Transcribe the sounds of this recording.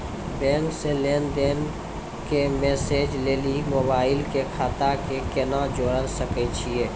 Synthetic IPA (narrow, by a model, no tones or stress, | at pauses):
bɛ̃ːŋkseleːnd̪eːn | kemeːseːd͡ʒleːlimoːbaːɪlkekʰaːt̪akekenad͡ʒoːɽəlsəket͡ʃʰieː